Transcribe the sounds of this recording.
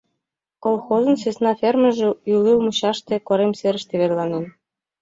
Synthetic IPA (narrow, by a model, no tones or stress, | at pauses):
kolˠxozə̆nsesnɑfermə̆ʒĕylilmuɕɑʃt̪ekoɾemseɾə̆ʃt̪eβerlɑnen